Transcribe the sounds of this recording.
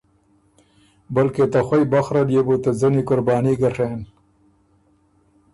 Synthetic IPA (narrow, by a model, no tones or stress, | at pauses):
bəlket̪axʷwajbaxɾaljebut̪azənikʊɾbɑːniɡaʂen